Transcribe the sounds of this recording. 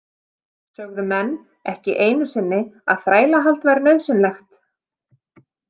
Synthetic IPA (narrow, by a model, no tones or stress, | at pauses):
sœɣðʏmɛnː | ɛhcɪʔeːjnʏsɪnːɪa̰ðθɾaːjlaɦal̥t̪vajɾnœɥðsɪnlɛxt̪